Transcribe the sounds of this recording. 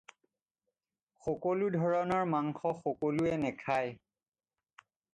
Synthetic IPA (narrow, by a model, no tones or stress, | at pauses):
xɔkoludʱɔɹɔnɔɹmaŋxɔxɔkoluɛnɛkʰaj